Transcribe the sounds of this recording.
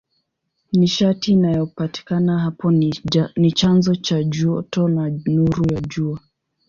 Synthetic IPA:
niʃatiːnajɔpati̥kanaɦapɔnit͡ʃanzɔt͡ʃaʄɔtɔnanuɾujaʄua

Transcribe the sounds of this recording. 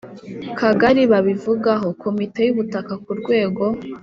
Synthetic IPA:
kʰaɡaɾiβaβivuɡaɦo̞kʰo̞mite̞juβutakakuɾɡwe̞ːɡo̞

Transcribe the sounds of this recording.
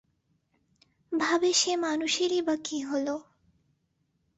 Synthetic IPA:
bʱabeʃemanuʃeɾibakiɦolo

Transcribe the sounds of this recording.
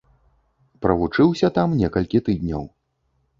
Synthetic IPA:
pɾɐvut͡ʂɨwsʲɐt̪amnʲɛkɐlʲkʲit̪ɨd̪ʲnʲɐ̰w

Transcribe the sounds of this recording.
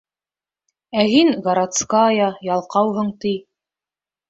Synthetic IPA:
æhiŋɡɐɾat̪skɑːjɑjɑlˠqɑwɦɤ̆ɴt̪ij

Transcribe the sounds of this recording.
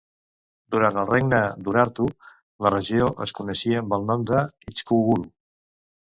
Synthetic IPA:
d̪uɾant̪əlˠreɡnəd̪uɾaɾt̪u | lərəʒioʔə̰skunəʃiəːmbəlˠnɔmd̪əit͡ʃkuɣuɾu

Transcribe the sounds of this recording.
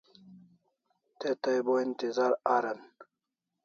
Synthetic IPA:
t̪et̪ɐjboint̪izaːɾaɾɐn

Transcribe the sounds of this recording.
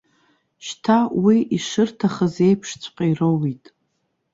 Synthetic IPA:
ʃtʰawiʔiʂɨrtʰaχəze̞jpʰʂt͡sʷʰqʼairowitʼ

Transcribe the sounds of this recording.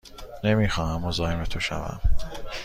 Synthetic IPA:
nemiːxɒːhæmːozɒːjemet̪ʰoʃæ̰væ̰m

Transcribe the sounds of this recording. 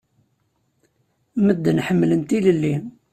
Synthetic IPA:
məd̪ːnħəmːlənt̪iləlːi

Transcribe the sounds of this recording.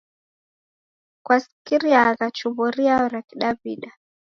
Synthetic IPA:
kwasikiɾiaɣat͡ʃuβuɾiaɾakiɗabiɗa

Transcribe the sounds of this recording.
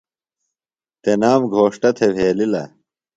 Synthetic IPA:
t̪enaːmɡʱoːʂʈɐt̪ʰebʱeːlilɐ̰

